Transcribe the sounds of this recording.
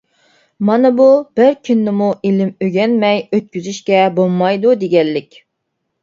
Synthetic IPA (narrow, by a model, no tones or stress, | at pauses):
mɑnɨbub̥ɪɾkʲʰynːɪmuʔilɪmøɡʲɛnmɛjøt̪̚kʲyzyʃkʲɛbolˠmːɑjd̪ud̪eɡʲɛlːɪkʲ